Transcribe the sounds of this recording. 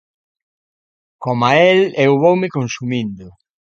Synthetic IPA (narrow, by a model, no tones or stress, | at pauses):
komaelewβowmɪkonsumĩnd̪ʊ